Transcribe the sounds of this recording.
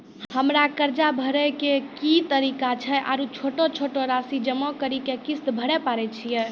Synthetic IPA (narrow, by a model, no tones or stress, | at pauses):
həmɾakəɾd͡ʒabʱəɾɛkekit̪əɾikat͡ʃʰɛʔa̰ɾut͡ʃʰoʈot͡ʃʰoʈoɾasid͡ʒəmɔkəɾikekist̪bʱəɾɛpaɾɛt͡ʃʰijɛ